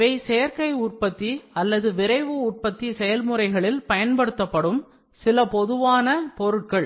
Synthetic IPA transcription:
ʋɐɪsejɐɾkɐɪʊrpɐt̪ːiɐlːɐðɯʋɪɾɐɪʋɯʊr̚pɐt̪ːisɛjɐlmɯɾɐɪɣɐɭɪlpɐjɐnpɐɽɯt̪ːɐpːɐɽɯm | sɪlɐpɔðɯʋaːnɐpɔɾɯʈkɐɭ

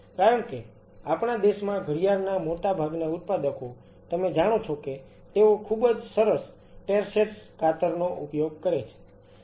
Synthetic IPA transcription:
kajəmke | apɳ̃ad̪eʃmãɡʱəɾijaɾnamoʈabʱaɡnaʊt̪̚pad̪əko | t̪əmed͡ʒaɽ̃ot͡ʃʰoke | t̪eokʰubəd͡ʒsəɾəs | ʈeɾseʈskʰat̪əɾnoʔṵpjoɡ̚kəɾet͡ʃʰe̥

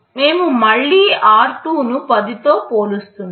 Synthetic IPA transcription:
me̞ːmumɐɭːiːaːɾʈuːnupɐd̪it̪o̞ːpoːlust̪un

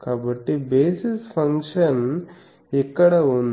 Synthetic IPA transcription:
kaːbɐʈːibeːsispʰɐŋkʂɐn | ɛkːɐɽɐon

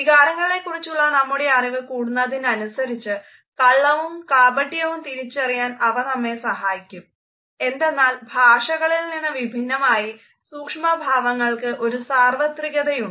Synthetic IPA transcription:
ikaːɾɐŋːɐɭle̞kːurit͡ɕːuɭːɐnɐmːuɽejaːɾɐɣɐkuːɽunːɐðinɐnusɐɾit͡ɕːɨ | kɐɭːɐʋumkaːbɐʈːijɐʋumt̪iɾit͡ɕːɐrijaːnɐʋɐnɐmːe̞sɐɦaːjikʲːum | e̞nd̪e̞nːaːlbʱaːʂɐɣɐɭilninːɨʋibʱinːɐmaːji | suːkʂmɐbʱaːʋɐŋːɐɭkɨʔo̞ɾusaːrʋɐt̪riɣɐðɐjuɳɖ

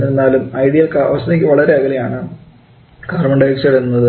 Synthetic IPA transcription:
enːaːlumɐjɽijɐlkɐɐ̰ʋɐst̪ɐt̪ekʲːɨʋɐɭɐɾeɐɡɐlejaːɳɨ | ɡ̥ɐʋɐrmɐɳɖɐjiksɐɽnːɐðɨ

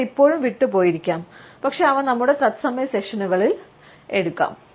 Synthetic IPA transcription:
ipːo̞ːɻumʋiʈːɨpo̞ːjiɾikʲːaːmpɐkʂe̞ɐʋɐnɐmːuɽe̞t̪ɐt̪sɐmɐjɐse̞ʂɐnuɣɐɭil | e̞ɽukːa̰ːm

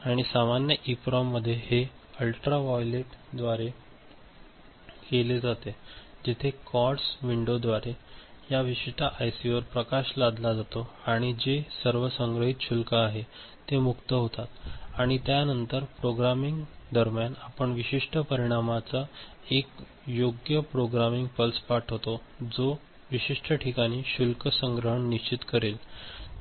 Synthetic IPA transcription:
aɽ̃isamanjəʔipɾɔmːəd̪ʱːjehe | əlʈɾaʋɔjleʈd̪ʋaɾe | keled͡zat̪ed͡ʑit̪ʰekɔʈsʋiɳɖod̪ʋaɾejaʋiɕiʈaʔajsiʋəɾpɾəkaɕlad̪lad͡zat̪oaɽ̃id͡ʑesəɾʋəsəŋɡɾəɦit̪ɕʰulkəːɦe | t̪emukt̪əɦot̪at̪aɽ̃it̪janənt̪əɾpɾoɡɾamiŋɡd̪əɾmjanapəɳʋiɕiʂʈəpəɾiɽ̃amat͡sa | ek | joɡjəpɾoɡɾamiŋɡpəlspaʈʰɦot̪od͡zo | ʋiɕiʂʈʰəʈʰikaɽ̃iːɕulkəsəŋɡɾəɦəɳniɕt͡ɕit̪kəɾil

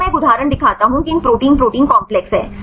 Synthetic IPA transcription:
ɛ̃ːkʊd̪ʱaːɾəɳ̃d̪ɪkʰaːt̪aɦũkɪnpɾoːʈiːnpɾoːʈĩːnkɔ̃ːmplɛksɦɛ̰ː

